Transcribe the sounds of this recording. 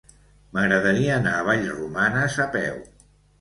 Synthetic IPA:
məɣɾəðəɾiəːnaːβ̞aʎrumanəzəpɛ̰w

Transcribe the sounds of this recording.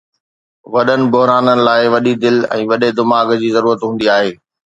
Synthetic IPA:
ʋɐɗənɪ̆bʊɦɾaːnənɪ̆laːɪʋɐɗid̪ɪlɛ̰̃ːʋɐɗed̪ɪmaːɡd͡ʑiːzɐɾuːɾət̪ɦũːn̆d̪iaːɦeː

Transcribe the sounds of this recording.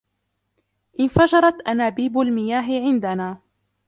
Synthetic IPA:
ʔɪnfad͡ʒɑɾˤɑt̪ʔanaːbiːbalmɪjaːɦɪʕɪnd̪anaː

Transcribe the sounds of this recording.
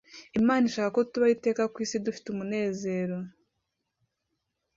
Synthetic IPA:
imaːninʃaːkako̞tuβaite̞ːkakwiːsidufi̥tumune̞ːze̞ːɾo̞

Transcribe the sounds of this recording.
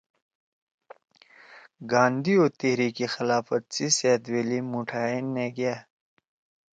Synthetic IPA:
ɡãːnd̪ioːt̪eɦɾiːkixɪlaːfɐt̪̚siseːt̪weːlimuʈʰaːenːeɡjaː

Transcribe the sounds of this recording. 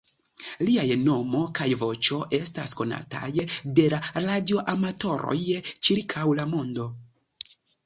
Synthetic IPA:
liajno̞mo̞kajvo̞t͡ʃo̞ʔe̞stasko̞na̰ta̰jde̞laɾadio̞ʔamato̞ɾo̰jt͡ʃiɾkʰawlamo̞ndo̞

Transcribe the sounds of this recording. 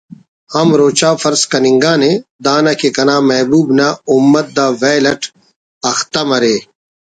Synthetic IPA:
hɐmɾoːt͡ɕaːfɐɾskɐnĩŋɡaːnẽd̪aːnɐkekɐnaːmɐɦbuːbnaumːɐt̪̚d̪aːʋeːlɐʈʰ | ɐxt̪ɐmɐɾeː

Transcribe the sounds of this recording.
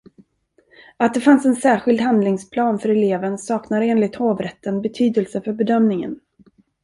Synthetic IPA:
at̪̚d̪ɛfansɛnsæːɾɧɪld̪hand̪lɪŋspʰlɑːnfœɾɛleːvənsɑːknad̪eːnlɪt̪hoːvɾɛt̪ːənbɛt̪ʰyːd̪əlsəfœɾbɛd̪œmnɪŋə̰n

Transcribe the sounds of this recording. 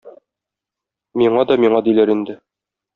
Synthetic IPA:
miɴɑd̪ɒmiɴɑd̪ilæɾind̪ɘ

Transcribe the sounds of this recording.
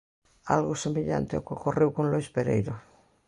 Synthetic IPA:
a̰lɣosemeʎa̰nt̪eokekorewkonloespeɾḛjɾo

